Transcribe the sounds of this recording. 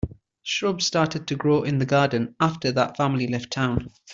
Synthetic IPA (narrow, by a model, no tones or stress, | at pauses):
ʃɹʌbstɑˑtɪd̚tʰəɡɹoʊʔɪ̃nðəɡɑːdⁿn̩aftəðətfãmlilɛftʰãʊ̃n